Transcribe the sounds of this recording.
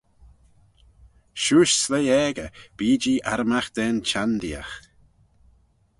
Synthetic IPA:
ʃuːʃslɛjɛːɡəb̥iːd͡ʒiːʔaɾəmaxd̪̥ɛnt͡ʃʰand̪ia̰x

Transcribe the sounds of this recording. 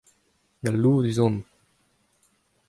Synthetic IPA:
ɡalːuːʁd̪yzɔ̃n

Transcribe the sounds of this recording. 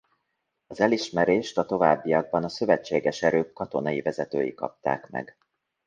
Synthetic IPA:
ɒzɛliʃmɛɾeːʃt̪ɒt̪o̞vaːbːijɒɡ̚bɒnɒsø̞vɛt͡ʃːeːɡɛʃɛɾøːkːɒt̪o̞nɒivɛzɛt̪ø̰ːjḭkɒ̰p̚t̪a̰ːkmɛ̰ɡ

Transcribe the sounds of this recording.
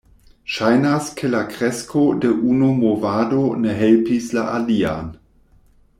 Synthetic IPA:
ʃajnaskʰelakʁeskʰodeʔunumovadoneɦelpislaʔalia̰n

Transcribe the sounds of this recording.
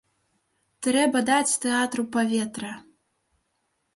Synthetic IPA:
t̪ɾɛbɐd̪at͡sʲt̪ɛat̪ɾupavʲɛt̪ɾɐ

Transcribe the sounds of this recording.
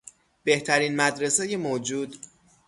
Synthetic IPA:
b̥e̞ht̪ʰæɾiːnmæd̪ɾe̞sejemoːd͡ʒuːd̪

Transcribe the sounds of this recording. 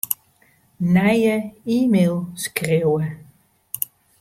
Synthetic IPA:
najəimelˠskʁiwə

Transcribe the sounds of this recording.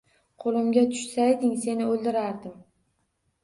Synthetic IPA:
qʰolˠɪmɡʲat̪ʰʊ̥ʃsajd̪ɪŋse̞nɪolˠd̪ɪɾaɾd̪ɪm

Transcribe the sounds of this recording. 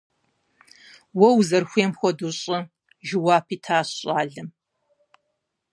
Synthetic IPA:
wɔwzɐrxʷeːmxʷɔduɕʼɪ | ʒɪwaːpʰiːtʰaːɕɕʼaːɮɐm

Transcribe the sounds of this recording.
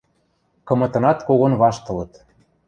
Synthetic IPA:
kɤ̆mɤ̆t̪ɤ̆nɑt̪koɣonβɑʃt̪ɤ̆lɤ̆t̪

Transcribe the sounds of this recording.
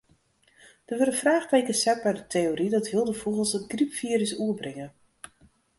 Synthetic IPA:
d̥əʋøɾəfraːxtejkəsɛt̚bɛjdətʰeoɾidɔtʋɪlˠdəfolˠɣəlˠsətɡripfiəɾəsuəbrɪŋə

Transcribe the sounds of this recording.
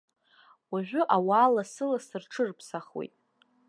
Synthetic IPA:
waʒᶣʷʊʔawaːlasɨlasɨrʈ͡ʂʰɨrpʰsaχwḛjtʼ

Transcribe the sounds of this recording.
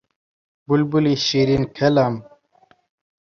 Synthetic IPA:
bulbuliɕiɾinkʰelam

